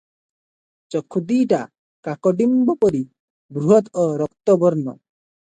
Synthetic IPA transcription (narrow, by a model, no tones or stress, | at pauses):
t͡ʃɔkʰːud̪iːʈa | kakɔɖimbɔpɔɾi | bɾuɦɔt̪ɔɾɔkt̪ɔbɔɾnɔ̰